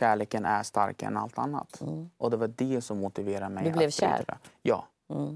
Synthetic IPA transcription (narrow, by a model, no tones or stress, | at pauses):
æːɭeːkənæʂt̪a̰ɾkaɛ̰na̰lt̪ʰa̰nːa̰t̪ʔɔd̪ɛvaɖɛsɔmːʊt̪ɪveːɾamɛjd̪ɵblɛvɕæ̰əɾa̰jɑ̰ː